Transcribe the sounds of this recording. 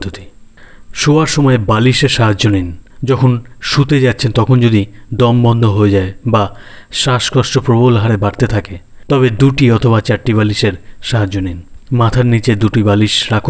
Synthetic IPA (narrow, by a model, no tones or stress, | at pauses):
d̪ʱot̪i̥ | ʃoaɾʃɔmɔebaliʃeɾʃaɦad͡ʑd͡ʑonind͡ʑɔkʰonʃut̪ed͡ʑat̪ːɕʰent̪ɔkʰond͡ʑod̪id̪ɔmbɔnd̪ʱoɦoed͡ʑaebaʃaʃkɔʃʈopɾobolɦaɾebaɽt̪et̪ʰake | t̪ɔbed̪uʈiɔt̪ʰobat͡ɕaʈʈːiβaliʃeɾʃaɦad͡ʑoninmat̪ʰaɾnit͡ɕed̪uʈibaliʃɾakʰ